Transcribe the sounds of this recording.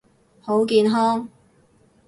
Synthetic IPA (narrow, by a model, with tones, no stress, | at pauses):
ho˨˥wkiː˧nɦɔː˥ŋ